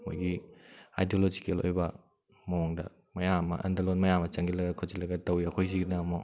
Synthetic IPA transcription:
mojɡia̰jdiolod͡ʒikelo̰jbɐ | mowɔŋdɐ | mɐjamːɐ̰ʔɐ̰ndalonmɐjamɐt͡ʃɐŋɡilɐɡɐkʰozilɐɡɐtɐwjɐkʰojsiɡinɐmɔ

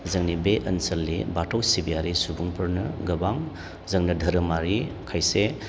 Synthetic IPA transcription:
zɐŋnibeʔɐnsɐlːibatʰowsibijaɾisubuŋpʰɐɾnɯɡɐbaŋ | zɐŋnɐdʱɐɾɐmaɾikʰajse

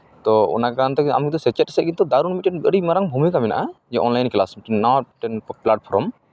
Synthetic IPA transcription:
t̪ɔɔ̰nakaant̪ɔka̰muk̚d̪ɔsɛt͡ʃɛt̚sɛʔkint̪ud̪aɾunmit̚ːɛnbəɽimaɾaŋbʱumikamɛna̰ʔad͡ʒɛʔɔnlajnklasmiʈɛnːaʈɛnplaʈ̚pʰɔɾɔm

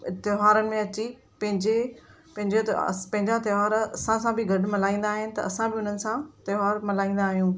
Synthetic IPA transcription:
ɪt̪ɪɦaːɾənɪ̆mẽɐt͡ɕi | pɐ̃ɦɪ̃ɲd͡ʑe | pɐ̃ɦɪ̃ɲd͡ʑot̪pɐ̃ɦɪ̃ɲd͡ʑat̪ɐaːɾɐsãsãbɪɡʱɐɖmɐlaːĩːn̆d̪aːɦɪnɪ̆t̪ɐɐsãbɪʊn̤ənɪ̆sãt̪ɐɦaːɾmɐlaːĩːn̆d̪aːɦijũː

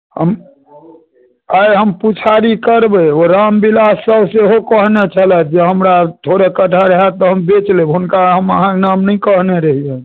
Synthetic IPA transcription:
həm | ajɦəmput͡ʃʰaɾikəɾbɛoɾambilasːəbseɦokəɦnet͡ʃʰəlɛt̪̚d͡ʒeɦəmɾat̪ʰoɾekəʈʰaɾəɦɛt̪ːɔɦəmbet͡ʃlebɦunkaɦəməɦãnamnəjkəɦneɾəɦijə̃

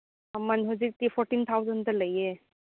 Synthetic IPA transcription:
ɐmɐnɦuzik̚tipʰɔɾʈint̪ʰawzɐntɐlɐje

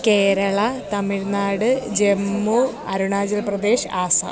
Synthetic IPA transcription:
keːɾɐɭɐt̪ɐmiɻnaːɽɨd͡ʑemːu | ɐɾuɳaːd͡ʑɐlprɐd̪e̞ːʂaːsɐ̰

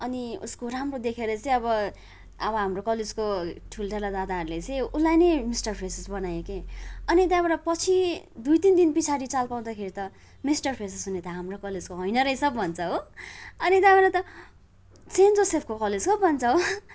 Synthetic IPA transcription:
ʌniṵskoramrod̪ekʰeɾʌt͡sʌĩʌbʌ | ʌbʌɦamrokʌled͡zkoʈʰulʈʰalad̪ad̪aɦʌɾulet͡sʌj̃ulːajnʌjmisʈʌrpʰresesbʌnajekeʌnit̪jãbeɽapʌt͡sʰid̪ujt̪ind̪inpit͡sʰaɾit͡salpaw̃d̪akʰeɾit̪ʌ | misʈʌrpʰres̬esɦunet̪ʌɦamrokʌled͡zkoɦʌjnʌɾʌjsʌbbʱʌnt͡sʰʌɦoʌnit̪jabeɾat̪ʌ | t͡send͡zosepʰkokʌled͡zkʌbʱbʱʌnt͡sʰʌɦo

